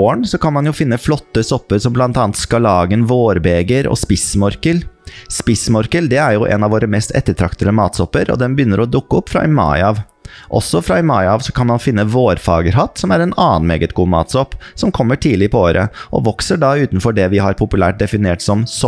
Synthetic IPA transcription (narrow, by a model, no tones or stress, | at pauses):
oːəɳsɔkʰɑnmɑnjʊfɪnːəflɔt̪ːəsɔpːəɾsɔmblɑnt̪ɑːnt̪skɑlɑːɡənʋoːɾbeːɡəɾɔ̰spɪsmɔɾkəlspɪsmɔɾkəld̪ɛæɾjʊʔɛ̰nɑʋoːɾəmɛst̪ɛ̰t̪ːəʈʰɾɑkt̪əd̪əmɑːt̪sɔpːəɾɔ̰d̪ɛmbəjʏnːəɾɔd̪ʊkːəɔpːfɾɑ̰ɪmɑ̰ɪɑʋ | ʔɔ̰sːɔfɾɑɪmɑɪɑːʋsɔkʰɑnmɑnfɪnːəʋoːɾfɑ̰ːɡəɾɦɑt̪sɔmæɾɛnɑːnmeːɡət̪ɡuːmɑ̰ːt̪sɔpːsɔmkʰɔmːəʈʰiːlɪpʰɔoːɾʔə̰ʔɔ̰ʋɔksəɖɑʉːt̪n̩fɔɖɛʋɪhɑɾpʰʊpʉlæ̰ːʈ̚d̪ɛfɪneːʈsɔmsɔ